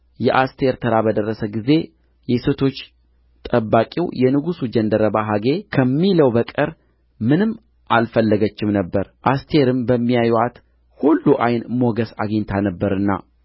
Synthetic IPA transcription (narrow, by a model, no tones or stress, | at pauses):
jɛʔast̪ʰe̞ɾt̪ʰəɾabəd̪ərːəsəɡize̞ | jɛset̪ʰo̞t͡ʃː | t̪ʼəbːakʼḭwjɛnɨɡusud͡ʒənd̪əɾəbaɦaɡe̞kʰəmːiləwbəkʼəɾ | mɨnɨmː | ʔalfəlːəɡət͡ʃːɪmnəbːəɾʔast̪ʰe̞ɾɨmbəmːijajat̪ | hulːuʔajnmo̞ɡəsaɡəɲt̪ʰanəbːəɾɨnːa̰